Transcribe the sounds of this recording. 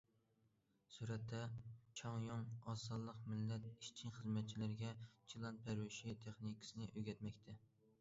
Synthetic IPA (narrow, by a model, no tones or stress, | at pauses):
suɾɛt̪ʰːɛt͡ʃʰɑŋjoŋɑsɑlˠːəqmɪlːɛt̪̚iʃt͡ʃʰiŋχəzmɛt̪̚t͡ʃʰilɪɾɡʲɛt͡ʃʰilˠɑn̚pʰæɾwɪʃit̪ʰeχnikʰsɨnɪʔøɡʲɛt̪mɛkʲt̪ʰɛ